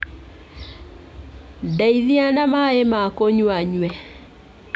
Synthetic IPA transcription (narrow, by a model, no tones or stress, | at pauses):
dɛiðianamaemakoɲwaɲwɛ